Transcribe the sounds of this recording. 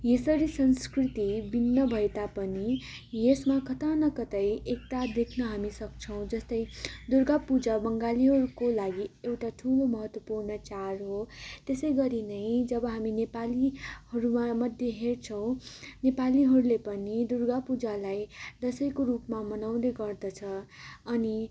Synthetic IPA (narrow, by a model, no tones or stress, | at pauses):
jesʌɾisʌnskrit̪ibinːʌbʱʌet̪apʌnijesmakʌt̪anʌkʌt̪ʌjek̚t̪ad̪ekʰnʌɦamisʌk̚t͡sʰʌ̃w̃d͡zʌst̪ʌjd̪urɡapud͡zabʌŋɡaliɦʌɾukolaɡiewʈaʈʰulomʌɦʌt̪wʌpurnʌt͡sarɦot̪esʌjɡʌɾinʌj̃d͡zʌbʌɦaminepalihʌɾumamʌd̪ʱjeɦert͡sʰʌw̃nepaliɦʌɾulepʌnid̪urɡapud͡zalajd̪ʌsʌjkoɾupmamʌnaw̃d̪eɡʌrd̪ʌt͡sʰʌʌni